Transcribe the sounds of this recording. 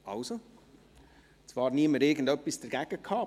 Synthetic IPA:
ɑʊso | t͡svɑːrniəməɾɪɾɡən̩dœpːisd̥əɾɡ̥æɡ̥əkʰhɑː

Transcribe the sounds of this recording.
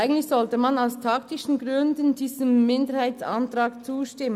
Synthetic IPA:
ɪɡəŋ̩tlɪçsɔltəmanaʊstʰɑk̚tɪʃn̩ɡʁʏndən̩diːz̥əmːɪndəɾhaɪtt͡sa̰ntʁɑːkt͡suːʃtɪmə

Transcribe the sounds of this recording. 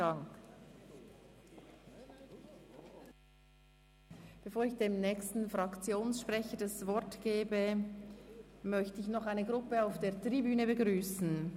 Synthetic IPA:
aŋk | b̥efoːɾɪçd̥eːmnɛːçstn̩fʁɑkt͡sjoːnsʃpʁɛçədɑsvɔɐtɡ̥eːbə | mœçtəɪçnɔχaɪnəɡʁʊpəaʊfd̥eːɐtʁibyːnəbəɡʁyːsn̩

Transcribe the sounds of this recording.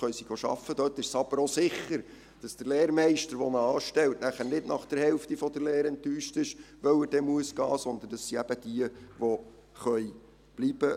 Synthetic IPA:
χœjsiɡ̥oʃɑ̰fːəd̥̪øtːɪʃsɑb̥əɾosɪχːəɾ | d̥ɑsd̥əɾleːɾmɛɪʃtəɾʋɔnəɑːʃtɛltnæχæɾnɪdnɑχd̥əɾhɛlftifɔd̥̪əɾleːɾɛntyːʃtɪʃʋœwədɛmuəsɡ̥ɑːsɔnd̪ənd̥ɑsːiæb̥əd̥iəʋo | χœj | b̥lib̥ə

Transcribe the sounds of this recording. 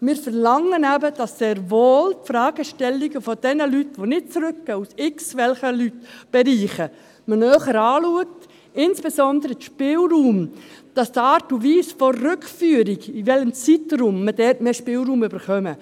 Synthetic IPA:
mɪːɾfəɾlɑŋənæbəd̥ɑsːeːɾvoːltfɾɑːɡ̥əʃtɛlːiɡəfɔd̥ɛnəlytʋonɪt̚t͡sɾʏk̚ɡ̥œusɪksʋɛlχəlytb̥ɛɾiːχə | mənœːχəɾɑːluək̚t | ɪnsb̥esɔndəɾəʃpɪːlɾuːmd̥ɑsdɑːɾtuʋiːsfɔːʉkfyːɾiɡiʋɛləmt͡sitɾumːəd̥ɛtmeːʃpɪːlɾuːmʏbəɾχœmə

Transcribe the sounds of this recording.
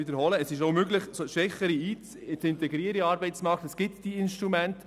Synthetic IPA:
ɪd̪əɾhɔləːsɪʃoʊmøɡlɪχsoʃʋɛχəɾiiː | t͡sɪntɛɡɾiəɾiɑːɾbɛɪtt͡smɑkt̪əsɡ̥ɪtd̥iɪnʃtɾumænt

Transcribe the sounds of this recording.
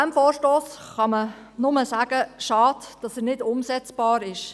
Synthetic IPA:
æmfoːɾʃtoːsχɑmə | nʊməsæːɡ̥əʃɑːdd̥ɑsɛɾnɪdʊmsɛt͡sb̥ɑːɾɪʃ

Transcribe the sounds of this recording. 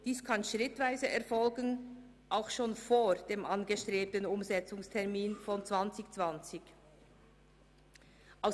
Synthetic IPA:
d̥iːskʰanʃʁɪtv̥aɪzəʔɛɐfɔlɡən | ʔaʊxʃoːnfoːd̥eːmʔanɡəʃtʁ̥eːp̚tənʊmzɛt͡sʊŋstʰɛʁmiːnfɔnt͡sv̥ant͡sɪçt͡sv̥ant͡sɪç | ʔaʊ

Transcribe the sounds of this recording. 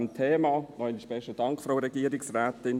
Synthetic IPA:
mt̪ʰeːmɑːnɔiniʃbɛʃtəd̥ɑŋkfɾoʊɾɛɡiːəɾɪksrɛːtɪn

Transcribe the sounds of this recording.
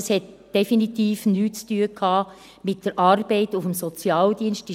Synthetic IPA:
shɛt̚d̥ɛfinitiːfnyːtt͡styəkʰhɑː | mɪt̚d̥əɾʔɑːrb̥ɛɪtʊfəmsɔt͡sjɑːld̪iənʃti

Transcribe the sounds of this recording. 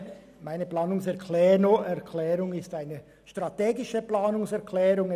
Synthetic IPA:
maɪnəplaːnʊŋsɛʁkʰlɛːnoʔɛɐkʰlɛːɾʊŋɪstaɪnə | ʃtʁateːɡɪʃəplaːnʊŋsɛɐʁkʰlɛːɾʊŋ

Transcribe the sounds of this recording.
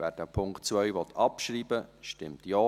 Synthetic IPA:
væːdəpʰʊŋktt͡sʋœʏʋɔt̪ʰɑpʃɾiːbəʃtɪmt̪jɔː

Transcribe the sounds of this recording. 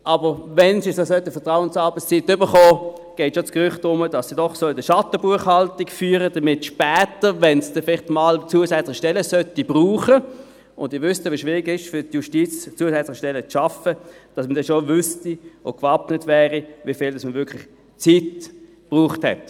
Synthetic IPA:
ʔɑbəʁvɛnsisosœtəfəɐtʁaʊənsɑʁbət͡st͡sitːʏbəχɔː | ɡ̥ɛɪtʃot͡skʁʏχtʊməd̥ɑsːidɔχsodəʃɑtəbuəχhɑltikfyːʁəd̥ɐmɪtʃpɛːtəʋɛnsd̥ɛnfɪlɪχtmɑlt͡suːəsɛt͡slɪχʃtɛləsœtib̥ʁuːχə | ʊndɪʋʏstəʋiʃvʋɪʁiɡɪʃfʏtjuʃtiːt͡st͡suːəsɛt͡slɪχʃtɛlːət͡sʃɑfəd̥ɑsmədɛnʃovʏstio̰kvɑpnətvɛːʁivifiːldɑsməvʏɐkʰlɪχ | t͡siːt | b̥ʁuːχthɛ̰t

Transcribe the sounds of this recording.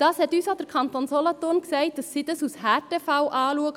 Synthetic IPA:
d̥ɑːshɛtyːsad̥əɾkʰɑntonsɔlɔtonksɛɪt̚d̥ɑsːiːd̥ɑsushɛtefaʊʔɑːluəɡə

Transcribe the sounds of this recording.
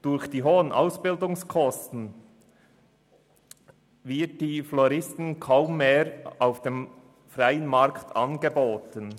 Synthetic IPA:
d̥ʊɾçd̥iːɦoːənʔa̰ʊsb̥ɪldʊŋskʰɔstn̩ | vɪɐt̚d̥iːflɔɾɪstən̩kʰaʊmːeːɾaʊfd̥eːm | fraɪənmɑɾktʰɑ̰nɡeboːtən

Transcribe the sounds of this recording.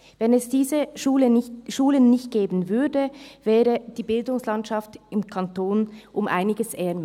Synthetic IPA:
vɛnɛsd̥iːzəʃuːləʃuːlənːɪçt̚ɡ̥eːbən̩vʏɐdəvɛːdəd̥iːbɪldʊŋslɑntʃɑftɪmkʰɑntoːnʔʊmʔa̰ɪnɪɡəsʔɛɐm

